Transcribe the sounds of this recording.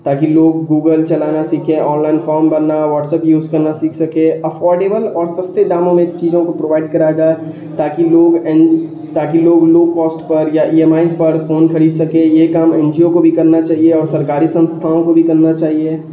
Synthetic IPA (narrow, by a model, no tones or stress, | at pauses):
t̪aːkiloːɡːuːɡəlt͡ʃɐlaːnasiːkʰẽɔ̃ːnlaːɪnfɔːɾmbɐɾnaʋɔːʈsɛːpjuːzkɐɾnasiːkʰsɐkẽɐfʰɔːɾɖeːbəlɔːɾsɐst̪ed̪aːmõmẽt͡ʃiːzõkopɾoːʋaːɪɖ̚kɐɾaːeɡaːe | t̪aːkiloːɡɛ | t̪aːkiloːɡloːkɔːsʈpɐɾjaʔiːemaːɪnpɐɾfoːnkʰɐɽiːd̪sɐkẽjekaːmɛ̃ːnd͡ʒiokobʱikɐɾnat͡ʃaːɦieɔːɾsɐɾkaːɾisɐ̃nst̪ʰaːõkobʱikɐɾnat͡ʃaːɦieː